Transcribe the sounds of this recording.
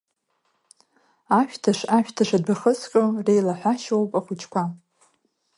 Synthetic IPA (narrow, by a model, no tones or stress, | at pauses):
aʃᶣtʰaʂaʃᶣtʰaʂadbaχət͡sʰkʲʼɨrejlaħʷaʃowpʼaχʷʊt͡ʃʰʼkʷʰa